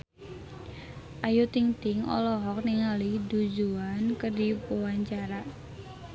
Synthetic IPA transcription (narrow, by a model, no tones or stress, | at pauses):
ʔajut̪iŋt̪ɪŋɔ̰lɔɦɔk̚niŋalidud͡ʒuankədipuwaɲt͡ʃaɾa